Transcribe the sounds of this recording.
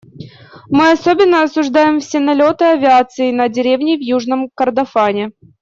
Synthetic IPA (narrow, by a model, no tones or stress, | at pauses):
mɨɐsobʲɪnːəɐsʊʐd̪ajɪmfsʲɪnɐlʲo̞t̪ɨɐvʲɪat̪sɨɪnədʲɪɾʲevnʲɪvjuʐnəmkərd̪ɐfanʲɪ